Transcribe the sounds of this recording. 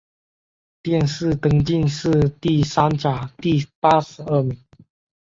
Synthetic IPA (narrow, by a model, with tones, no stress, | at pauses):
t̪jɛ˥˨nʂɻɹ̩˥˩t̪ɤ˧˥ŋt͡ɕi˥˧˨nʂɹ̩˥˧t̪i˥˩sa˥nt͡ɕa˨˩˦t̪i˥˩pa˥ʂɻ̩˧˥ə˥˩mi˨˧˥ŋ